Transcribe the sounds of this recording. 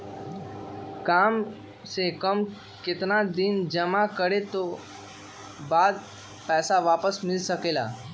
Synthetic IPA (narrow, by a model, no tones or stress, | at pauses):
kam | sekəm | kɪt̪nad̪ind͡ʒəmakəɽet̪o | bad̪̚ | pɛːsaʋapəsmɪlsəkela̰